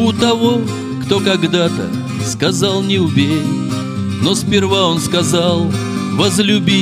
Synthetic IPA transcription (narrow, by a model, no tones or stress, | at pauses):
ʊt̪ɐvo̞ | kt̪o̞kɐɡd̪at̪ə̰ | skɐzalˠnʲɪʊbʲeɾʲ | nospʲɪrvaonskɐzalˠ | vəzlʲʊbʲi